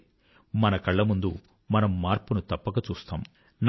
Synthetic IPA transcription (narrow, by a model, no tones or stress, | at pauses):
mɐnɐkɐɭːɐmund̪u | mɐnɐmːaːɾpunut̪ɐpːɐkɐt͡ʃuːst̪a̰ːm | n